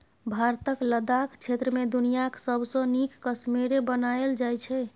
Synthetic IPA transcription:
bʱaɾt̪əkləd̪akt͡ʃʰet̪ɾəmed̪unijaksəbsə̃nikːəsmiɾebənaeld͡ʒajt͡ʃʰɛ

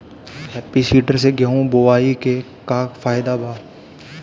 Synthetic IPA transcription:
ɦɛːpːisiːʈəɾseɡɐɦũboʋaːike | kaːkfaːɪd̪abʱaː

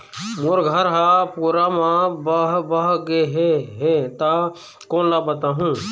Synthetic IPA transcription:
moːɾɡʱəɾɦaːpuːɾamãbəɦbəɦɡeɦeɦẽt̪a | kõːnlaːbət̪aːɦũː

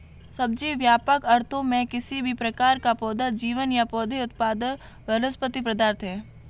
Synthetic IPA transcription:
sɐb̚d͡ʒiʋjaːpəkɐɾt̪ʰõmẽkɪsibʱipɾɐkaːɾkapɔːd̪ad͡ʒiːʋənjapɔːd̪eʊt̪̚paːd̪ən | bələspət̪ipɾɐd̪aɾt̪ɦɛː

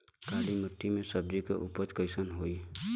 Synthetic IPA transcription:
kaːlimət̪ːimẽsəb̚d͡ʒikḛʔʊpət͡ʃkəɪsənɦoːi

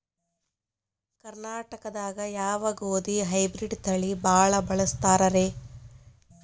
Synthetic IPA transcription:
kɐɾnaːʈɐkɐd̪aːɡɐjaːʋaɡoːd̪iɦɐjbɾiɖt̪ɐɭibaːɭɐbɐɭɐst̪aːɾɐɾeː

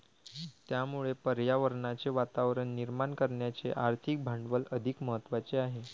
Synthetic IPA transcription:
t̪jamuɭepəɾjaʋəɾɳat͡seʋat̪aʋɾəɳːiɾmaɳkəɾɳjat͡seʔaɾt̪ʰik̚bʱaɳɖʋələd̪ʱikməɦət̪ːʋat͡seaɦe

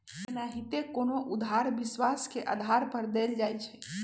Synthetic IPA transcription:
naɦit̪ekonoʔud̪ʱɦaɾbiswaskeʔə̰d̪ʱaɾpəɾd̪eld͡ʒajt͡ʃʰɛ

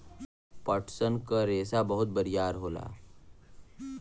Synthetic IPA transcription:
pəʈʰsənkaɾeːsabəɦʊt̪̚bəɾijaːɾɦoːla̰ː

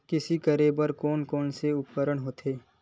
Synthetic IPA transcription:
kɪsikəɾebəɾkɔːnkɔːnseʊp̪̚kəɾəɳɦoːt̪ʰeː

